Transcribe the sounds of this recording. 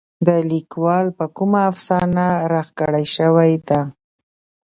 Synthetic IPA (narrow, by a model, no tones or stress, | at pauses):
d̪əlikwɑlpəkumaːfsɑnaɾaxkəɽajʃəwajd̪a